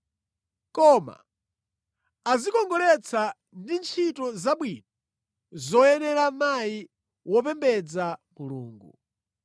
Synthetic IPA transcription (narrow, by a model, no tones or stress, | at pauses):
kɔma̰ | azikɔŋɡɔlɛt͡sʰa | ndint͡ʃʰitɔzaɓwiːnɔ | zɔjɛnɛɾamai | wɔp̬ɛmbɛd͡zamulṵːŋɡu